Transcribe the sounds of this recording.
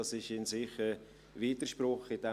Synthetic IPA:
ɑsɪʃɪnsɪχə | viːdəʃpɾʊχɪd̥ɛ

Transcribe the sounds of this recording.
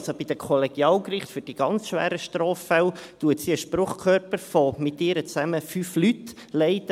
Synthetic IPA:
sobid̥̪əkʰɔlɛɡ̥jɑːlkrɪχt̪fʏd̥iɡ̥ɑnt͡sʃʋæ̰ːɾəʃtɾɔːfːɛwt̪uətsiəʃpɾʊχkʰœrpəɾfɔmɪt̪ːɪɾət͡sæməfyflyt̪ | lɛɪtə

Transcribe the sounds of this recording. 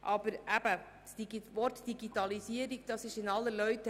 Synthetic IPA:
ʔɑb̥əɾʔæb̥ə | siʋɔɾtd̥iɡitɑlisiəɾiɡd̥ɑsɪʃɪnɑlːəlœʏtə

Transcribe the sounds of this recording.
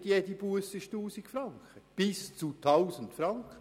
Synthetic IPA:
tjedibuəsəʃtuːsɪkfɾɑŋkχəb̥ɪst͡sutʰaʊsən̩tfɾɑŋkə

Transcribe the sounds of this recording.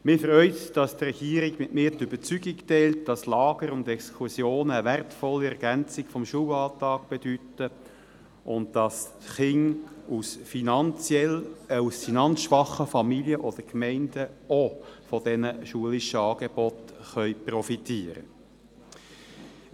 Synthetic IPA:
mɪfrœʏt̪d̥ɑst̪rɛɡ̥iːəɾɪɡmɪtmɪːɾtʏb̥ət͡syɡiktɛːlt̚d̥ɑslɑːɡ̥əɾʊndɛkskʰusjoːnəværtfɔlːiæʁɡænt͡sɪkfɔmʃulɑltɑːkb̥ɛd̥ytə | ʔʊntd̥ɑs | χɪŋusfinɑnt͡sjɛlusfinɑnsʃʋɑχəfɑmiljəʔɔd̪̥əkmɛɪnd̥əofɔd̥ɛnəʃuəliʃəɑːɡ̥eb̥ɔt̪χœʏprɔfitiːəɾə̰

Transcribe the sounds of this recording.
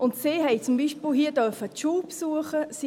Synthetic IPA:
ʔʊntseːɦɛjt͡sʊmbiːʃpɪlɦiːədœfətʃuːpsuəχəsi

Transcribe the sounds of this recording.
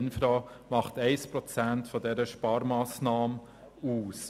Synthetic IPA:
nfɾɑː | mɑχtɛɪspɾɔt͡sæntfɔdɛɾəʃpɑːɾmɑːsnɑːmə | uːs

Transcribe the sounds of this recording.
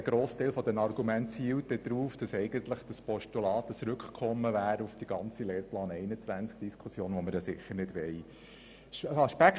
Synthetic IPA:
əɡ̥ɾoːst̪ɛɪlfɔd̪ɛmɑɾɡumæntsiːwt̚d̥ɛd̪̥ɾuːfd̥ɑsɛɪɡənt̪ləχd̥ɑspɔʃtulɑːt̪ət͡sɾʏkʰkʰɔmːəvæːɾəufd̥iɡ̥ɑnt͡sileːɾplɑːnɛɪnət͡sʋænt͡sk̚d̥iskʰusjoːnʋɔməɾjɑsɪχːəɾnɪdʋɛɪ | ɑʃpæk

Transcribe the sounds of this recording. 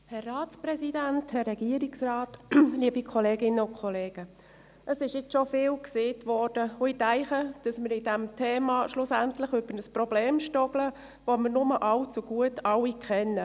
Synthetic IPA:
hɛrːɑːtt͡spɾɛsidænthɛrːɛɡ̥iəɾiksrɑːtliəbikʰɔleːɡɪnːəʊnkʰɔleːɡ̥ə | ʔəsɪʃjɪt͡sʃofɪːlkseːtvɔrd̥əʊitæɪχəd̥ɑsməɾɪdɛmtʰeːmɑʃlʊsæntləχʏb̥əɾnəsprɔbleːmʃtɔɡlə | voməɾnʊməʔɑlt͡suɡ̥uətɑwikʰχɛnə

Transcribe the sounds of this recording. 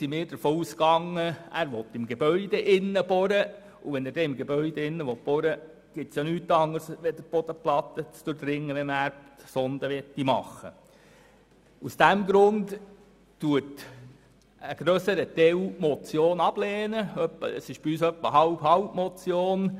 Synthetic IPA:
simɪːɾd̥əɾfɔːuːskɑŋːəæ̰ɾʋɔt̪ːɪmɡebœʏd̥̪ɛʔɪnːəb̥ɔɾə | uʋɛnæɾdɛɪmɡebœʏd̥̪ɛɪnːəʋɔt̪̚b̥ɔɾə | ɡ̥ɪt̪sjɑnyːt̪ːɑŋəsʋɛd̪əb̥ɔd̥̪əplɑt̪ːət͡sd̥ʊɾdɾɪŋːənɛnæːɾptsɔnd̥̪əʋɛtːimɑ̰χːə | usd̥̪æmɡɾʊndː | uət | əɡ̥ɾœsəɾət̪ɛwmɔt͡sjoːnɑb̥lɛːnəœpːə̰ə̰sɪʃb̥iyːsœpːəɦɑʊbhɑwpmɔt͡sjoːn

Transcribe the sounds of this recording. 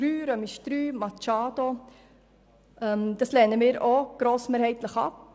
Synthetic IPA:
ɾyːɾœmiʃtɾyːmɑt͡ʃɑːd̥̪o | ʔɛmd̥̪ɑslɛnəmiːɾoɡ̥ɾoːsmeːɾhɛɪt̪ləχɑ̰p̚

